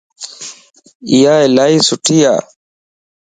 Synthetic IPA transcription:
ɪjaːɪlaːiːsʊʈʰiːja̰ː

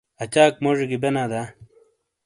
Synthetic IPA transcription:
ɐt͡ɕaːkmoʐiɡibenaːd̪aː

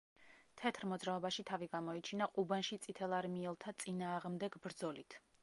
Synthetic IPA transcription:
t̪ʰɛt̪ʰɾmɔd̪zɾaɔbaʃit̪ʰaviɡamɔit͡ʃʰinaqʼubanʃit̪sʼit̪ʰɛlˠaɾmiɛlˠt̪ʰat̪sʼinaːʁmd̪ɛɡbɾd̪zɔlit̪ʰ

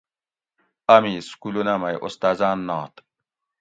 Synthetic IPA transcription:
amiskulunamɐjʔost̪aːzaːnːɔːt̪

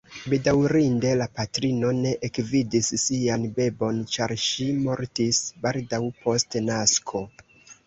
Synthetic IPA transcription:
be̞dawɾinde̞lapatɾino̞ne̞ʔekvidisːianbe̞bo̞nt͡ʃaɾʃimo̞ɾtisbaldawpʰo̞stnaskʰo̞

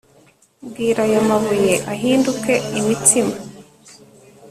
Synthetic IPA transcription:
bɡiːɾajamaβujeʔaɦiːnduke̞imitʰima

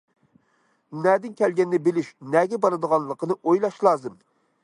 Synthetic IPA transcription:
nɛd̪ɪnkʲʰɛlɡʲɛnːɛbɪlɪʃnɛɡʲɛbɑɾɨd̪əʁɑnlˠəqənɨʔojlˠɑʃlˠɑːzɨm

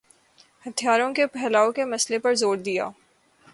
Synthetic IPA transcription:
hɐt̪ʰijaːɾõkepɛɦlaːõkemɐslepɐɾzoːɾd̪ija̰ː

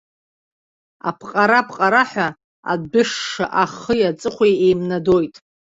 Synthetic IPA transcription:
a̰pʰqʼaɾapʰqʼaɾaħʷᶣa | a̰dbɨʂːa̰ʔaχəjat͡sʼɨχʷʰejejmnado̞jtʼ

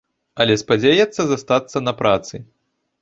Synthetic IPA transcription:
ɐlʲɛspad͡zʲejɛt̪sːɐzast̪at̪sːɐnɐpɾʔat̪sɨ

